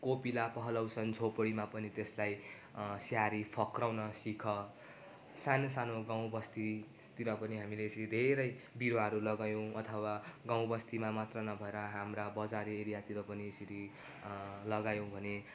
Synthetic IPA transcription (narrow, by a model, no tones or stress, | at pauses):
kopilapʌɦʌlʌwsʌnd͡zʱʰopɽimapʌnit̪eslaj | sjaɾipʰʌkrawnʌsikʰʌ | sanosanoɡaw̃bʌst̪i | t̪iɾʌpʌniɦamileːsiid̪ʱeɾʌj | biɾoaɦʌɾulʌɡajõw̃ʌt̪ʰʌwaɡãw̃bʌst̪imamat̪rʌnʌbʱʌeɾʌɦamrabʌd͡zaɾieɾijat̪iɾʌpʌniesiɾi | lʌɡajõbʱʌne